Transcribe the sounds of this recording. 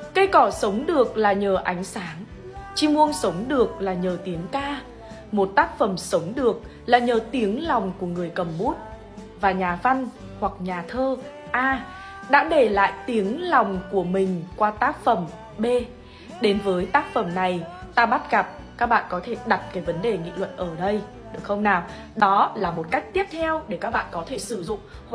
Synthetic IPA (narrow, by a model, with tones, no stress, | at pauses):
kə˧jkɔ˧˩sə˨˦wŋ͡mɗɨ˨˩ək̚laː˨˩ɲəː˨˩ʔa˨˦jŋ̟saː˨˦ŋ | t͡ɕi˧mu˧ənsə˨˦wŋ͡mɗɨ˨˩ək̚laː˨˩ɲəː˨˩t̪i˨˦əŋkaː˧ | mo˨˩t̚t̪aː˦˥k̚fə˧˩msə˨˦wŋ͡mɗɨ˨˩ək̚ | laː˨˩ɲəː˨˩t̪i˨˦əŋlɔ˨˩wŋ͡mku˧˩əŋɨ˨˩əjkə˨˩mɓu˦˥t̚ | vaː˨˩ɲaː˨˩va˧n | hwa˨˩k̚ɲaː˨˩t̪ʰəː˧ | ʔaː˧ | ɗa̰ː˧˥ɗe˧˩la̰ː˧˨jt̪i˨˦əŋla˨˩wŋ͡mku˧˩əmï˨˩ŋ̟kwaː˧t̪aː˦˥k̚fə˧˩m | ɓe˧ | ɗe˨˦nvəː˨˦jt̪aː˦˥k̚fə˧˩mna˨˩jt̪aː˧ɓa˦˥t̚ɣa˨˩p̚ | kaː˦˥k̚ɓa̰ː˧˨nkɔ˨˦t̪ʰe˧˩ɗa˨˩t̚kaː˨˦jvə˨˦nɗe˨˩ŋḭ˧˨lwə̰˧˨nʔəː˧˩ɗə˧j | ɗɨ˨˩əkxə˧wŋ͡mnaː˨˩w | ɗɔ˨˦laː˨˩mo˨˩t̚ka˦˥jk̟̚t̪i˦˥əp̚t̪ʰɛ˧wɗe˧˩kaː˦˥k̚ɓa̰ː˧˨nkɔ˨˦t̪ʰe˧˩sɨ˧˩zʊ̰˧˨ŋ͡mh